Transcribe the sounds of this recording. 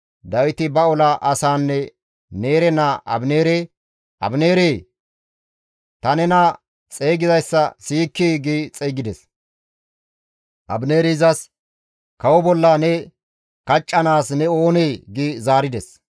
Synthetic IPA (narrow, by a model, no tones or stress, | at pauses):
d̪ɐwɪt̪ɪbɐɔlɐʔɐsaːnːɛ | ne̞ːɾɛnaʔɐ̰bne̞ːɾeː | ʔɐ̰bne̞ːɾeː | t̪ɐnɛna | t͡sʼe̞ːɡɪzɐjsːɐsiːkːiːɡit͡sʼeːɡɪd̪ɛs | ʔɐ̰bne̞ːɾɪzɐs | kɐwɔbɔlːanɛ | kɐt͡ʃʼːɐnaːsnɛo̞ːneːɡɪzaːɾɪd̪ɛs